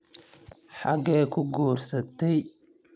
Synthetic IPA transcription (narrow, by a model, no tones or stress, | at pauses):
ħaɡɛːkʰʊɡuːrsɐt̪ɛj